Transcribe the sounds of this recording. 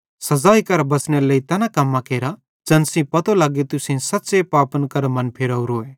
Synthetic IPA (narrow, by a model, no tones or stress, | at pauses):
sɐzaːikɐɾbɐsñeləit̪ɛːnakɐmːãkeːɾa | d͡ʒɐnsĩpɐt̪olaːɡet̪ʊsẽsɐtːsepaːpənkɐɾmɐ̃npʰeɾɐuɾoːe